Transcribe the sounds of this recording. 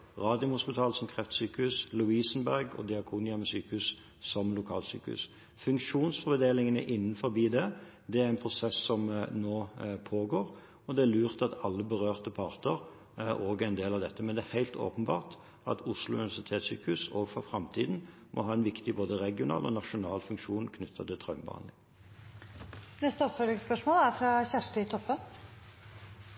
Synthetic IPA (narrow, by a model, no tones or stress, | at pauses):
ʁɑːd̪ɪʊmhʊspɪt̪ʰɑːlsɔmkʰʁɛft̪syːkəʉslʊiːsənbæʁɡɔ̰d̪ɪɑkʰuːnɪɑmɛsyːkəʉs | sɔmlʊkʰɑ̰ːlsy̰ːkəʉ̰s | fʉŋkʂuːnsfɔʁbɛd̪eːlɪŋənə̰ʔɪnːnfɔɾbiːd̪ɛ | d̪ɛæɾɛnpʰʁʊsɛsːɔmnoːpʰoːɡoːɾ | ɔd̪ɛælʉːʁt̪ɑt̪ɑlːəbəʁøːʁt̪əpʰɑʁt̪əɾ | oːɡɛnd̪eːlɑʋd̪ɛt̪ːəmɛnd̪ɛːhæɪlt̪o̰ːpənbɑ̰ːʁt̪ | ɑt̪ʰʊslʊʉnɪʋæsɪt̪ʰeːt̪sy̰ːkəʉsoːʋfɔfʁɑmt̪ʰiːd̪n̩ | mʔɔ̰ɦɑːɛnʋɪkt̪ɪboːd̪əʁɛɡɪʊnɑ̰ːlʔɔ̰nɑʂʊnɑːlfʉŋkʂuːnkʰnʏt̪ʰːət̪ɪlt̪ʰɾœʉmbəhɑ̰nd̪lɪ̰ŋ | nɛst̪əɔpfœlɪŋspœʂmoːlæɾfɾɑçæʂʈəɪt̪ʰɔpːən